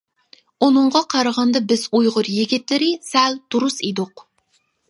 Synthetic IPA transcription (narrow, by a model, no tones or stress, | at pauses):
unɨɴʁɑqʰɑɾəʁɑnd̪ɑbɪzujʁʊɾjiɡʲit̪lɪɾɪsæld̪̥uɾusid̪ʊq